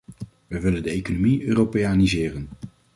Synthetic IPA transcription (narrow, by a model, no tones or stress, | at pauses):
ʋəʋɪləndəejkonomiøːropejanizɪːrən